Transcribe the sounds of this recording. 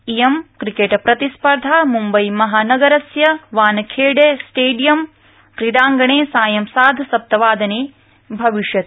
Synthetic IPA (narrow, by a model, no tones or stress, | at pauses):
ijemkɾikeʈɐpɾɐt̪ispɐɾd̪ʱaːmumbɐjmɐɦaːnɐɡɐɾɐsjɐʋaːnɐkʰeːɖeːsʈeːɖijɐm | kɾiɽaːŋɡɐɳeːsaːjɐmsaːd̪ʱsɐp̚t̪ɐʋaːd̪ɐneː | bʱɐʋiʃjɐt̪